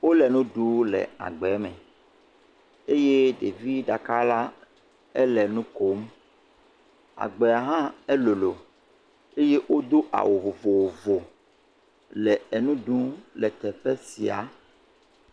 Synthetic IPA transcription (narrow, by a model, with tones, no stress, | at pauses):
wo˦lɛ˨nũ˦ɖu˦lɛ̰˨a̰˨ɡ͡bɛ˨˦mɛ̃˨ | e˦je˦ɖe˨vi˦ɖa˨ka˦la˦ | ɛ˦lɛ˨nũ˦ko˨m˦ | a̰˨ɡ͡be˨a˨ɦã˦ɛ˦lo˨lo˨ | e˦je˦ʔwʔo˦d̪o˦ʔa̰˨wo˨vo˨vo˨wo˨vo˨ | lɛ˨ɛ˨nũ˦ɖũ˦lɛ˨t̪ɛ˨ɸɛ˦si˨a̰˨